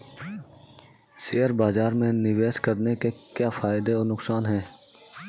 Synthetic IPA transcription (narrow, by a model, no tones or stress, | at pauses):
siːəɾbaːzaːɾmẽnɪʋeːʃkəɾnekekjaːfaːɪd̪eɔːɾnʊksaːnɦɛ̃ː